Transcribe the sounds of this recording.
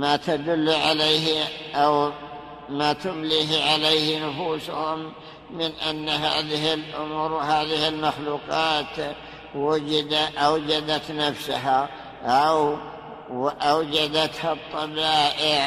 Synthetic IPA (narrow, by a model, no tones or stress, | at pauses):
mat̪ad̪ʊlːʕalejɦʔaw | mat̪ʊmliːɦʕalejhnʊfuːshʊmː | ɪnʔanːaɦa̰ːðɪhɪlʔʊmuːɾwahaːðɪhɪlmaxluːqɑːt̪ | wʊd͡ʒɪd̪aʔawd͡ʒad̪at̪nafsʊɦa | ʔaw | ʔawd͡ʒad̪at̪hat̪ˤːɑbaːʔɪʕ